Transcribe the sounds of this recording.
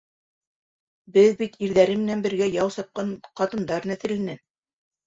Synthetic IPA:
bɘðbit̪iɾðæɾɘmɘ̆nænbɘ̆ɾɡæjɑwsɑp̚qɑnqɑt̪ɤ̆nd̪ɑɾnæθɘ̆ɾlænɘ

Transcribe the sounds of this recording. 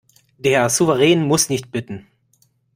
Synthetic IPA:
d̥eːɐzuvəʁɛːnmʊsnɪçt̚b̥ɪtn̩

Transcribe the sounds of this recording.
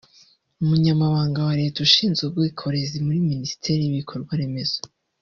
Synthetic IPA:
umuɲamaβaːŋɡawaɾe̞ːtuʃiːnzɡebɡwiːkʰo̞ɾe̞zimuɾiminisi̥tʰe̞ɾijiβikʰo̞ɾɡwaɾe̞me̞z̥o

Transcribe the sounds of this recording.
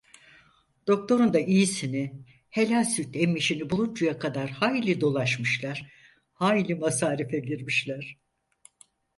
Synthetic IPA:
d̪̥o̞k̚t̪ʰo̞ɾund̪aʔijisini | he̞lʲanʲsyt̪ɛmːiʃinibulˠund͡ʒujakʰad̪aɾhaːjlʲid̪o̞lˠaʃmɯʃlˠaɾ̥ | haːjlʲimasaːɾifɛɟiɾmiʃlʲæɾ̥

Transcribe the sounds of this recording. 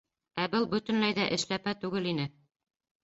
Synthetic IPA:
æbɤlˠbɵ̆t̪ɘ̆nlæjðæʔɘ̆ʃlæpæt̪ʉɡɘlinɘ

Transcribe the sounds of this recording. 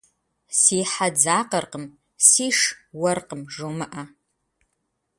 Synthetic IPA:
siːħad͡zaːqɐrqəm | siːʂwɐrqəmʐomɨʔa

